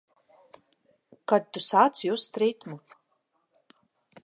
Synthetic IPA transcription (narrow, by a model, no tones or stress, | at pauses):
kad̪̚t̪usaːt̪sjuːst̪ɾit̪mu